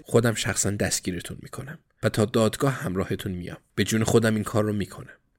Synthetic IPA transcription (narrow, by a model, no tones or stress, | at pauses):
χo̞d̪æmʃæxsænd̪æst̪ɡ̥iːɾe̞t̪ʰunmḭːkʰo̞næm | væt̪ʰɒːd̪ɒːd̪ɡɒːhhæmɾɒːhe̞t̪ʰunmḭjɒ̰ːmb̥e̞d͡ʒuːnexo̞d̪æminkʰɒːrːomiːkʰo̞næm